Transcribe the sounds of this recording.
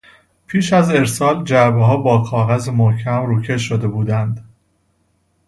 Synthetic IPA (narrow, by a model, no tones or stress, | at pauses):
pʰiːʃæze̞ɾsɒːld͡ʒæɾbeɦɒːbɒːkʰɒːɣæzemohcʰæmɾuːcʰe̞ʃod̪e̞buːd̪ænd̪